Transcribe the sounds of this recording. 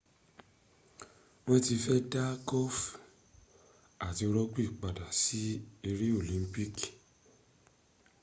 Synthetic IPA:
w̃ɔ̃˦ti˧fɛ˦da˦ɡɔ˦f | a˨ti˧ɾɔ˦ɡ͡bi˦i˦˨k͡pa˨da˨si˦e˧ɾi˦o˦˨lĩ˨˦m˦pi˦k

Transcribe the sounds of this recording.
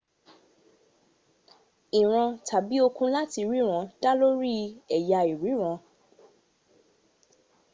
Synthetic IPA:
i˨ɾ̃ã˧tʰa˨bi˨˦o˧kũ˧la˦ti˧ɾi˨˦ɾ̃ã˧˦d̥a˦lo˦ɾi˦ɛ˨ja˧i˨ɾi˨˦ɾ̃ã˧

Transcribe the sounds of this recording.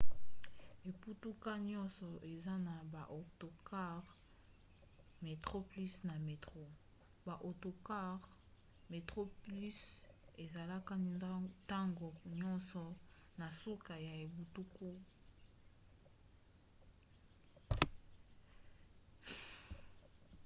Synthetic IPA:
e˨pu˦tu˦ka˦ɲɔ˦nsɔ˨ʔe˨za˦na˨ba˨ʔo˨to˨ka˦ʁ | me˨tʁo˦pli˦sna˨me˨tʁo˦ | ba˨ʔo˨to˨ka˦ʁ | me˨tʁo˦ply˦se˨za˨la˦ka˦n˨ta˦ŋɡo˨ɲɔ˦nsɔ˨ | na˨su˦ka˨ja˨e˨bu˨tu˦ku˦

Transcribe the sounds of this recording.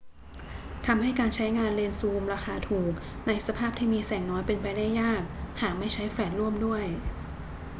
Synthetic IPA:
t̪ʰa˧mha˥˩jkaː˧nt͡ɕʰa˦˥jŋaː˧nleː˧nsuː˧mɾaː˧xaː˧t̪ʰuː˨˩k̚ | na˧jsa˧pʰaː˥˩p̚t̪ʰiː˥˩miː˧sɛː˨˩ŋnɔː˦˥jpe˧npa˧jda˥˩jːaː˥˩k̚haː˨˩k̚ma˥˩jt͡ɕʰa˦˥jfɾɛː˧˩t̪̚ɾu˥˩əmdu˥˩əj

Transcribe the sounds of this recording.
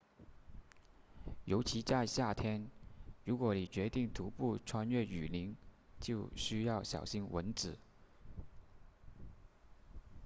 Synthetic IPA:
jo˧˥ʊt͡ɕʰi˧˥t͡sa˥˧ɪɕja˥˩t̪ʰjɛ˥nɻu˧˥kwɔ˧˥ni˨˩t͡ɕɥɛ˧˥t̪i˥˩ŋt̪ʰu˧˥pu˥˩ʈ͡ʂʰwa˥nɥɛ˥˩y˨˩li˧˥ŋt͡ɕjo˥˩ʊɕy˥jɑ˥˩ʊɕjɑ̰˨˩ʊɕi˥ŋwə̰˧˥nt͡sɹ̩˨˩˦

